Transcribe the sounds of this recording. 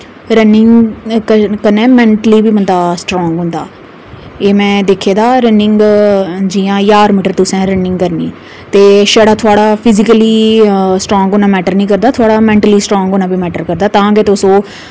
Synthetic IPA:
ɾənɪŋɡ | kənɛːmɛ̃ːɳʈəliːbiːbənd̪aːsʈɾɔ̃ːŋɡɦʊ̃nd̪a̰ː | eːmɛ̃ːd̪eːkʰeːd̪aːɾənɪŋɡd͡ʒiːãːjaːɾmiːʈəɾt̪ʊsɛ̃ːɾənɪ̃ŋɡkəɾnḭː | t̪eːʃəɽaːt̪ʰʊaːɽaːpʰɪzɪkəlisʈɾɔ̃ːŋɡoːnãːmɛːʈəɾnĩːkəɾd̪aːt̪ʰʊaːɽaːmɛ̃ːɳʈəliːsʈɾɔ̃ːŋɡoːnãːbiːmɛːʈəɾkəɾd̪aːt̪ãːɡeːt̪eʊsõː

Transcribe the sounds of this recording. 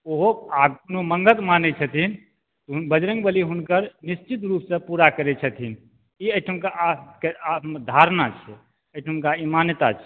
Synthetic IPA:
oɦoaɡkonoməŋɡət̪manɛt͡ʃʰət̪ʰin | t̪ɔɦubəd͡ʒɾə̃ŋɡbəliɦunkəɾnist͡ʃit̪ɾupsə̃puɾakəɾɛt͡ʃʰət̪ʰin | iəjʈʰəmkakeamd̪ʱaɾnat͡ʃʰɛ | əjʈʰəmkaimanjt̪at͡ʃʰɛ

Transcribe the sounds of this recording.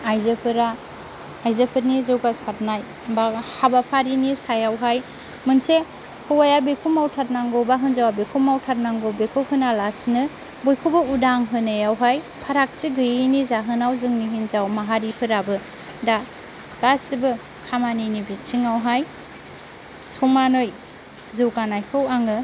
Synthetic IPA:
ajzɯpʰɯɾaː | jzɯpʰɯɾnizɯwɡasatnaj | bahabapʰaɾinisajawɦaj | mɯnse | hɯwajabekʰumawtʰat̚naŋɡobaɦɯnzawabekʰumawtʰat̚naŋɡowbekʰɯwhɯnalasnɯ | bojkʰubɯudaŋɦɯnɯjawɦaj | pʰaɾak̚tiɡɯjinizaɦɯnawzɯŋniɦinzawmaɦaɾipʰɯɾabɯ | da | ɡ̥asibɯ | kʰamaninibet͡ʃʰiŋawɦaj | sumanoj | zɯwɡanajpʰɯwaŋɯ

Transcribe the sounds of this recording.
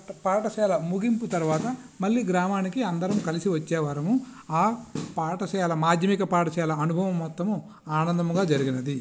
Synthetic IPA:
paːʈɐt͡ʃɛːlɐmuɡimput̪ɐɾuʋaːt̪ɐ | mɐɭːiːɡɾaːmaːnikiɐnd̪ɐɾɐmukɐlisiʋɐt͡ʃːɛːʋaːɾɐmuaːpaːʈɐt͡ʃɛjaːlɐmaːd̪ʱjɐmikɐpaːʈɐt͡ʃɛjaːlɐɐnubʱɐʋɐmːɔt̪ːɐmu | aːnɐnd̪ɐmɡaːd͡ʒɐɾiɡinɐd̪i

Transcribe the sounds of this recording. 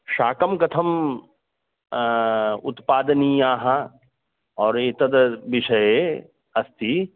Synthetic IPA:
ʃaːkɐmkɐt̪ʰɐm | ʊ̰t̪paːd̪ɐnijaːɦɐ | ɔːɾeːt̪ɐd̪ʋɪʃɐje | ɐst̪i

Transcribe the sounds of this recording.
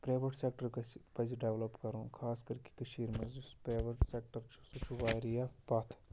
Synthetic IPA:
pɾeːʋəʈseːk̚ʈəɾkpɐd͡ʒɖeːʋləpkɐɾõːkʰaːskɐɾki̥kɐʃiːɾmɐzspɾeːʋəʈseːk̚ʈəɾt͡ʃʰu̥sut͡ʃʰuʋaːjɾijapɐt̪ʰ

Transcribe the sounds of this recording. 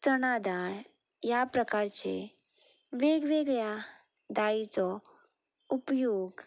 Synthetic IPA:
t͡sənad̪aɭ | japɾəkaɾt͡ɕḛ | ʋeɡʋeɡɭja | d̪ait͡sɔ | upjoɡ

